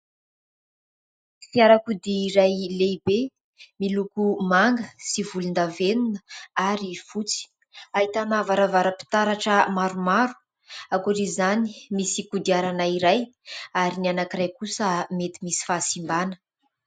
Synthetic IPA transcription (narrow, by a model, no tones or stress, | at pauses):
fiaɾakud̪iːɾajlebe | milukumaŋɡəsivulund̪avenunəaɾifut͡si̥ | aɦit̪anavaɾavaɾəpi̥t̪aɾaʈ͡ʂəmaɾumaɾu̥ | akuɾizanimisikud̪iaɾanaiɾajaɾinianakiɾajkusəmet̪imisi̥fasimbanə̥